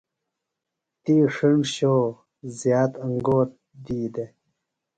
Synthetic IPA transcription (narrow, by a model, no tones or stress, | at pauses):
t̪iːʂiɳɕoː | zjaːt̪ɐŋɡoːt̪̚ | d̪iːd̪e